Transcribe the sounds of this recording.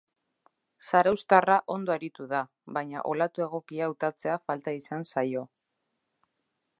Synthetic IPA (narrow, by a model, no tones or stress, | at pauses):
saɾawst̪araʔo̞nd̪o̞eɾit̪uða | βajɲa̰ʔo̞lat̪ue̞ɣ̞o̞kiawt̪at͡se̞afalt̪aisansajo̞